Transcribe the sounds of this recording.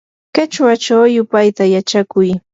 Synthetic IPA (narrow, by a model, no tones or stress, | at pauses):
kat͡ʃwat͡ʃawjʊpajt̪ajat͡ʃakʊj